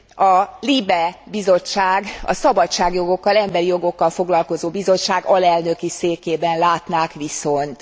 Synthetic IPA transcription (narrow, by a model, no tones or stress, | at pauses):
ɒlibɛbizo̞t͡ʃːaːɡɒ̰sɒbɒt͡ʃt͡ʃːaːɡjo̞ɡo̞kːɒlɛmbɛɾijo̞ɡo̞kːɒlfo̞ɡlɒlko̞zoːbizo̞t͡ʃt͡ʃːaːɡɒlɛlnø̞kiseːkeːbɛnlaːt̪naːkʋiso̞nt̪